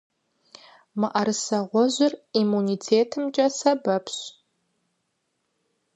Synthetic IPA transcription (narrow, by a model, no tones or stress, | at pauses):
mɨʔɐɾɨsɐʁʷɔʒʷɪrimunitʰeːtʰɨmt͡ʃʼɐsɐbɐpʰɕ